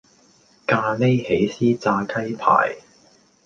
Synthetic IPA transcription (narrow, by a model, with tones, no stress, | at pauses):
kaː˧le˥jhe˨˥jsiː˥t͡saː˧kʰɐ˥jpʰa̰ː˨˩j